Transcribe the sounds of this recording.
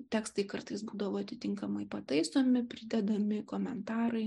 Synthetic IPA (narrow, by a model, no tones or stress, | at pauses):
t̪ʲæːkst̪ɐɪkɐrt̪ɐɪsbuːd̪ɐʋoːɐt̪ʲɪt̪ʲɪŋkɐmɐɪpɐt̪ɐɪsoːmʲɪpʲɾʲɪd̪ʲɛd̪ɐmʲɪkoːmʲɛnt̪ɑːɾɐɪ